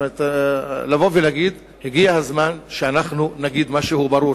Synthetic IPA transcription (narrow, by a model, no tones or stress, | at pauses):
et̪lavo̞velaɡid̪ | heɡiahazmanʃeanaχnunaɡid̪maʃehubaɾuɾ